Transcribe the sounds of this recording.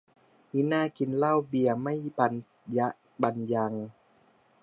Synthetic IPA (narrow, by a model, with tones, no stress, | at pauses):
wi˧˥naː˥˩˨ki˨˩nla˥˨wbi˨˧˩əma˥˩jba˨˩n | ja˧ʔ | ba˨nja˧ŋ